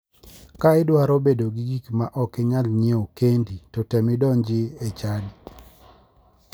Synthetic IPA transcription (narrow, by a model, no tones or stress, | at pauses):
kaɪdwaɾobedoɡiɡikmaʔɔkɛɲalɲeokenditɔtɛmɪdɔnd͡ʒɪet͡ʃadi